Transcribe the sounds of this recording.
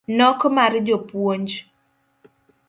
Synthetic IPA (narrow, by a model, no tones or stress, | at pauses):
nɔkmaɾd͡ʒopwoɲd͡ʒ